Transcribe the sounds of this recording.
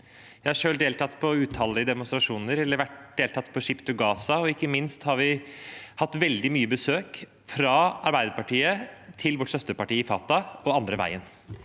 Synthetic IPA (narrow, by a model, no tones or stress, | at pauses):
jjæɪhɑʂøːld̪eːlt̪ʰɑt̪ːpʰɔʉːt̪ʰhɑlɪəd̪ɛmʊnst̪ɾɑʂuːnəɾɛlːəɾʋæʈ̚d̪̥eːlt̪ɑt̪ːpʰɔʂɪpt̪ʊɡɑːsɑɔɪkːəmɪnst̪hɑɾʋɪhɑt̪ːʋɛld̪ɪmyːəbəsøːk | fɾɑɑɾbæɪd̪əɾpɑʈiːət̪ʰɪlʋɔʈːsœst̪əpɑʈiːəɪfɑːt̪ɑɔɑnd̪ɾəʋæ̰ɪən